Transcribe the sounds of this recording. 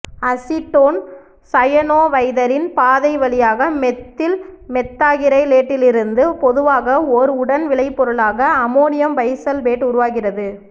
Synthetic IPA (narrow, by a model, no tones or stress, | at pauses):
ɐsɪʈːoːn | sɐjɐnoːʋɐɪðɐɾɪnpaːðɐɪʋɐɭɪjaːɣɐmɛt̪ːɪlmɛt̪ːaːɣɪɾɐɪleːʈːɪlɪɾɯnd̪ɯpɔðɯʋaːɣɐɔɾɯʊɽɐnʋɪɭɐɪpːɔɾɯɭaːɣɐːmoːnɪjɐmpɐɪsɐlʋeːʈʊɾʊʋaːɣɪrɐðɯ